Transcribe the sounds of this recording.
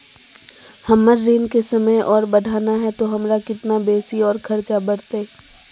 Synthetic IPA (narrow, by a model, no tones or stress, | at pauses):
hɐmːəɾːiːnkesɐməjʔɔːɾbɐɖʱaːnaɦɛt̪oɦɐmɾakɪt̪nabeːsiɔːɾkʰɐɾt͡ʃabɐɽt̪e